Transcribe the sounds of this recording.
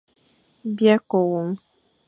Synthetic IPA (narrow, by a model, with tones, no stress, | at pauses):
bjɛ˦ko˨wo˨ŋ